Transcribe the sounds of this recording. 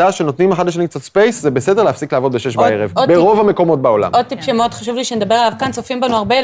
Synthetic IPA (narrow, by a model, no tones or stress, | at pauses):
aʃenot̪nimeχadleʃ̬anikt͡satspejszebesede̞ʁleafsikleavo̞d̪beʃeʃbaeʁevbeʁo̞vame̞ko̞mo̞t̚bao̞la̰mod̪̚t̪ipʃemot̪χaʃuvliʃened̪abe̞ʁalavkant͡sofimbanuaʁbe